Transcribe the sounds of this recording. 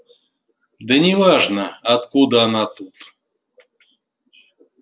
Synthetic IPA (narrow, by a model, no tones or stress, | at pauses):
d̪ənʲɪvaʐnəɐt̪kud̪əɐnat̪ut̪